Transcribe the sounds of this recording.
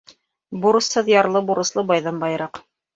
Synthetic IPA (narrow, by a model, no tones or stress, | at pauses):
buɾɤ̆shɤðjɑɾlˠɤbuɾɤ̆slˠɤbɑjðɑmbɑjɤɾɑq